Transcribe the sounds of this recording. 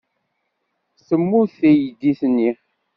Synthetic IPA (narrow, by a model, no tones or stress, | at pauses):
səmːuθæjəd̪iθnːi